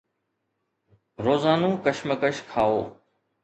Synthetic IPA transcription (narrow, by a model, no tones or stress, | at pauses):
ɾoːzaːnũːkəʃməkəʃkʰaːoː